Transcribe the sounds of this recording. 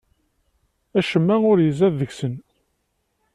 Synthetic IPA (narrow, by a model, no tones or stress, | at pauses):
æʃəmːæʊɾjəzæððəʝsən